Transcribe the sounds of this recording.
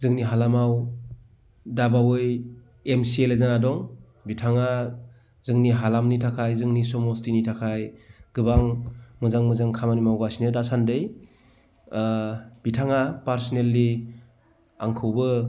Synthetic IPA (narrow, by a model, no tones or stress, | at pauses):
zɯŋniɦalamaw | dabawɯj | emsielezanadɔŋ | bitʰaŋa | zɯŋniɦalamnitʰakʰajzɯŋnisɔmɔstinitʰakʰajɡ̥ɯbaŋmɯzaŋmɯzaŋkʰamanimawɡasniɯdasandɯj | b̥itʰaŋapaɾsɔnelːi | a̰ŋkʰɯwbɯ